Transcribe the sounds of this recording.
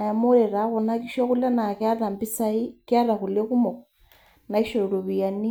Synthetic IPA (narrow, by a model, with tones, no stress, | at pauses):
a˨ja˨mo˦ɾe˨ɾa˨˦ɣɔ˨na˦ki˦ʃɔ˦ku˦la˦na˨ka˦ða˨mbi˦sa˦i˦kja˦ða˨ku˨le˦ku˦mɔ˨k̚ | na˨i˦ʃo˨i˨ɾo˨βi˨a˨ni˦